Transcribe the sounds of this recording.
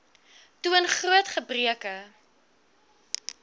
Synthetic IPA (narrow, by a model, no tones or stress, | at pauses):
tuənχruətχəbriəkə